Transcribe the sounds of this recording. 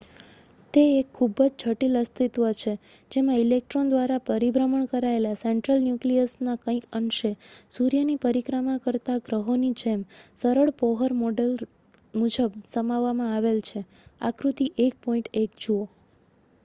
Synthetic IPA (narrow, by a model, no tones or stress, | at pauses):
t̪eekʰːubəd͡ʒt͡ʃʰəʈiləst̪ʰit̪ʋət͡ʃʰe | d͡ʒemãilek̚ʈɾond̪ʋaɾapəɾibɾəməɳkəɾaelaseɳʈɾəlnjukliəsnakə̃ĩkənʃesuɾjənipəɾikɾamakəɾt̪aɡɾəɦonid͡ʒemsəɾəɭpɔɦəɾmoɖel | mud͡ʒəbsəmaʋːamãaʋelt͡ʃʰe | a̰kɾut̪iʔek̚pɔĩɳʈek̚d͡ʒuo